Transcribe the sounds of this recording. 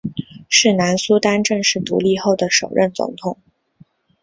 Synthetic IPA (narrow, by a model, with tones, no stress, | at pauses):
ʂɻ̩˥˩na˧˥nsu˥t̪a˥nʈ͡ʂɤ˥˧ŋʂɻ̩˥˩t̪ṵ˧˥li˥˧xo˥˩ʊd̪ə˩ʂo˨˩ʊɻə̰˥˩nt͡sʊ̰˧˥ŋt̪ʰʊ˨˩˦ŋ